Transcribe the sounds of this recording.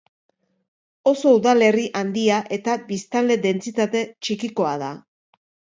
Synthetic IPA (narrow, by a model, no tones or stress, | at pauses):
o̞so̞uðale̞riʔand̪iaʔe̞t̪abist̪ald̪e̞ðe̞nt͡sit̪at̪e̞t͡ʃikiko̞aða